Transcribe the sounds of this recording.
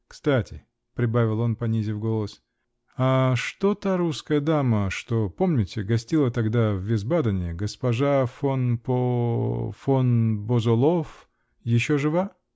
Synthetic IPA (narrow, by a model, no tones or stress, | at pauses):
kst̪atʲɪ̰ | pɾʲɪbavʲɪlˠo̞npɐnʲizʲɪfɡo̞lˠəs | aʂt̪ot̪aɾuskəjəd̪aməʂt̪opo̞mnʲɪtʲɪɡɐsʲtʲilˠət̪ɐɡd̪avːʲɪzbad̪ənʲɪɡəspɐʐafonpo | fonbozʊlˠof | jɪɕːoʐɨva